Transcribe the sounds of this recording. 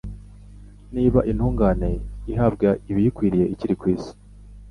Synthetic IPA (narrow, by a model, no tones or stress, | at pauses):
niːβaʔinhuːŋɡaːne̞iɦab̚ɡaiβijikwiːɾije̞ʔiciɾikwiːsi̥